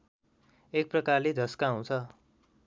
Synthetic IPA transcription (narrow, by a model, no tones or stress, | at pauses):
ek̚prʌkarled̪ʱʌskaɦũt͡sʰʌ